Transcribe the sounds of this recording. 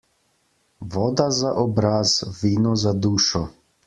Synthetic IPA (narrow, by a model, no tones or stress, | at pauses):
ʋɔːd̪azaʔɔbɾazʋiːnɔzad̪uːʃɔ